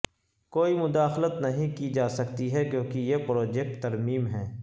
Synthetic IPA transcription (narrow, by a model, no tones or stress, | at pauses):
koːimʊd̪aːxlət̪nɐɦĩkid͡ʒaːsɐkt̪iɦɛkjõːkijepɾoːd͡ʒɛk̚ʈt̪ɐɾmiːmɦɛː